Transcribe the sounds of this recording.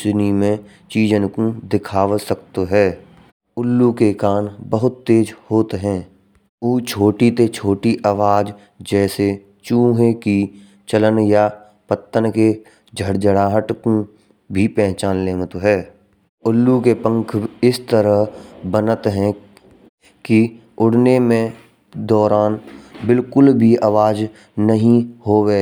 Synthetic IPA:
snimẽ | t͡ʃiːd͡ʒənkũd̪ɪkʰaːʋəsəkt̪oɦɛː | ʊlːukekaːnbəɦʊt̪ːeːd͡ʒhoːt̪ɦɛ̃ː | uːt͡ʃʰoːʈit̪et͡ʃʰoːʈiʔaːʋaːd͡ʒ | d͡ʒɛːse | t͡ʃũːɦeki | t͡ʃələnja | pət̪ːənke | d͡ʒʱəɽd͡ʒəɽaːɦəʈkũ | bʱipɛ̃ɦt͡ʃaːnleːmət̪ɦɛː | ʊlːukepə̃ŋkʰɪst̪əɾəɦbənət̪ɦɛ̃ | ki | ʊɽnemẽ | d̪ɔːɾaːnbɪlkʊlbʱiaːʋaːd͡ʒ | nəɦĩhoːweː

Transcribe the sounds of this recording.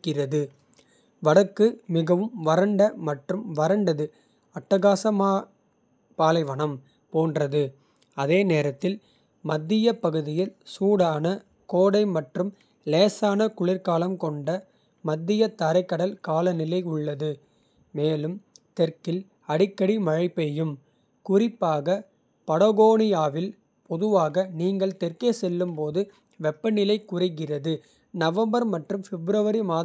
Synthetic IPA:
kːɪrɐðɯ | ʋɐɽɐkːɯmɪɣɐʋɯmʋɐɾɐɳɖɐmɐʈrɯmʋɐɾɐɳɖɐðɯ | ɐʈːɐɣaːsɐmaː | paːlɐɪʋɐɳɐm | poːndrɐðɯ | ɐðeːneːɾɐt̪ːɪl | mɐd̪ːɪjɐpɐɣɯðɪjɪlsuːɽaːnɐ | koːɽɐɪmɐʈrɯm | leːsaːnɐkʊɭɪɾkaːlɐmkɔɳɖɐ | mɐd̪ːɪjɐt̪ɐɾɐɪkːɐɽɐlkaːlɐnɪlɐɪʊɭːɐðɯ | meːlɯmt̪ɛɾkɪl | ɐɽɪkːɐɽimɐɻɐɪpːɐjɯm | kʊrɪpːaːɣɐ | pɐɽɐɣoːnɪjaːʋɪl | pɔðɯʋaːɣɐniːŋɡɐɭt̪ɛrkeːsɛlːɯmpoːðɯ | ʋɛpːɐnɪlɐɪkːʊrɪɣɪrɐðɯ | nɐʋɐmbɐɾmɐʈrɯmfɛbɾɐʋɐɾimaː

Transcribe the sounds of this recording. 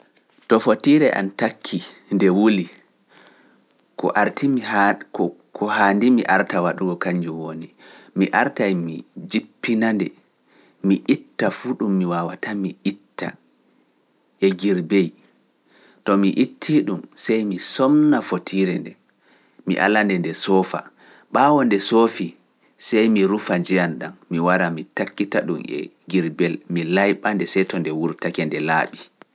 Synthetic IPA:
tɔfotiɾɛʔa̰ntakʰːindɛwuli | kɔ̰ʔaɾtʰimi | kɔhaːndimḭʔaɾtawaɗuɡɔkaɲd͡ʒuwonimiʔaɾtajmid͡ʒipːinandɛ | miʔitːafuːɗumːiwawatamiʔitːa̰ | ʔɛɡiɾbej | tɔmiʔitʰːiɗumsɛjmisɔmnafotʰiɾɛndɛ | mḭʔa̰landɛndɛsɔːfa̰ | ɓawɔndɛsofi | sɛjmiɾufad͡ʒɛjanɗanmiwaɾamitakːitaɗṵmɛ̰ | ɡiɾbɛlmilajɓandɛsɛjtɔndɛwuɾtakɛndɛla̰ːɓi

